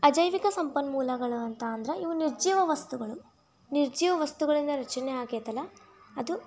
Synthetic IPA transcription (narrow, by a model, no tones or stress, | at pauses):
ɐd͡ʒɐjʋikɐsɐmpɐnmuːlɐɡɐɭuɐnt̪aɐnd̪ɾɐʔiʋuniɾd͡ʒiːʋɐʋɐst̪uɡɐɭu | niɾd͡ʒiːʋɐʋɐst̪uɡɐɭind̪ɐɾɐt͡ʃɐnɛaːɡeːt̪ɐlːɐ | ɐd̪u